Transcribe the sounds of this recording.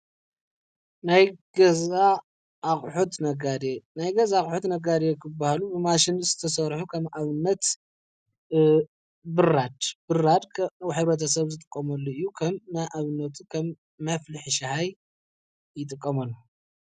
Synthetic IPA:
najɡɐza | ʔːxʼħut̪nɐɡad̪enajɡɐzaxʼħut̪nɐɡad̪ekʰɨbahalubɨmaʃɪnzɨt̪ʰɐsɐɾħukʰɐmʔaβɨnːɐt̪ | bɨɾad̪bɨrad̪kʰwħɨβɾɐt̪ʰɐsɐβzɨt̪ʼɨkʼːɐmɐlːoɨjːukʰɐmnajʔaβɨnːɐt̪ʰukʰɐmː | ɐflɨħʃɐhaj | jɪt̪ʼɨkʼːɐmɐlːo

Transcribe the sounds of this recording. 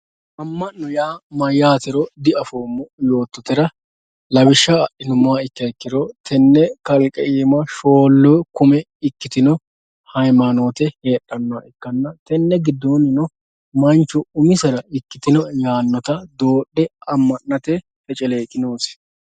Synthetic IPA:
ʔɐmːɐnːɔjaːmɐjaːt̪ɪɾɔd̪ɪɐfoːmːɔjo̞ːt̪ːɔt̪ɪɾɐ | lɐwɪʃːɐɐʔɪnʊmːʊwaɪkːɐɪkːɪɾɔt̪ʰɛnːɛkɐlkʼɛʔiːmɐʃo̞ːlːoːkʊmɛ | ɪkːɪt̪ɪnɔ | hɐjmɐnoːt̪ɛhe̞ːɗːɐnːɔaɪkːɐnːɐt̪ɛnːɛɡɪd̪ːoːnɪnɔ | mɐnt͡ʃːʊʊmɪsɐɾɐɪkːɪt̪ɪnɔjaːnːɐt̪ɐd̪oːɗːɛɐmːɐnːɐt̪ɛ | fɛt͡ʃʼɛle̞ːkʼːɪnoːs

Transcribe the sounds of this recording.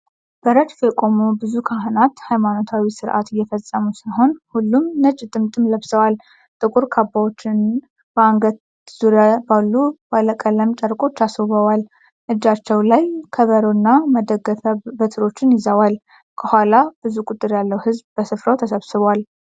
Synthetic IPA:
b̥əɾət̪fjɛkʼo̞mobɨzukʰaɦɨnat̪hajmano̞t̪ʰawisɨɾʔa̰t̪ɪjːɛfəsʼːəmusaɦo̞nhulːumnət͡ʃʼːt̪ʼɨmt̪ʼɨmləβsəwal | t̪ʼɨkʼuɾkʰabːawot͡ʃːɪn | bəaŋɡəd̪ | z̥uɾjabalːubaləkʼələmt͡ʃʼəɾkʼo̞t͡ʃːasoβəwal | ʔɨd͡ʒat͡ʃːɛwlajkʰəβəɾonːaməd̪əɡəfəbət̪ʰɨɾo̞t͡ʃːɪnjɪzəwal | kʰəhʷalab̥ɨzukʼut̪ʼːɨɾjalːəwhɨzbbəsɨfɾəwt̪ʰəsəβsɨβwal

